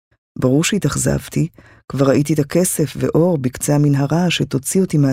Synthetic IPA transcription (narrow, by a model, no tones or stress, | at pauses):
baʁuʁʃeit̪aχza̰vt̪ʰi | kvaʁaʔit̪̬it̪akʰe̞se̞fvḛʔo̞ʁbikt͡seaminɦaʁaʃe̞t̪o̞t͡siot̪imea